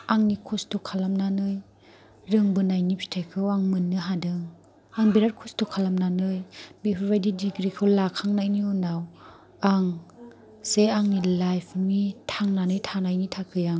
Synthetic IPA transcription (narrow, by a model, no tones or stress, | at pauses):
aŋnikʰɔstʰɔkʰalamnanɯj | ɾɯŋbɯnajnipʰɾi̥tʰekʰɯwaŋmɯnːɯɦadɯŋ | aŋbiɾaɾ̚kʰɔstʰɔkʰalamnanɯjbepʰɯbajdidiɡɾikʰɯwlakʰaŋnajniunaw | aŋ | seaŋnilajpʰmitʰaŋnanɯjtʰanajnitʰakʰɯjaŋ